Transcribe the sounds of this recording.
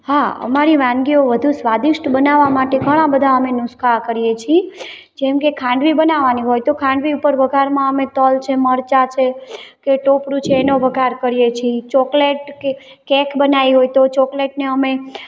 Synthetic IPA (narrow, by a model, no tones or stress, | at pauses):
haə̰maɾiʋãŋɡioʋəd̪ʱusʋad̪ɪʃʈbənaʋamaʈeɡʱəɽ̃ãbəd̪ʱaəmenʊskʰakəɾijet͡ʃʰi | d͡ʒɛmkekʰãɳɖʋibənaʋaniɦojt̪okʰãɳɖʋiupəɾʋəɡʱaɾmãəmet̪əlt͡ʃʰeməɾt͡ʃat͡ʃʰekeʈopɾut͡ʃʰeːnoʋəɡʱaɾkəɾijet͡ʃʰit͡ʃɔkleʈke | kɛkʰbənaiɦojt̪ot͡ʃɔkleʈneəme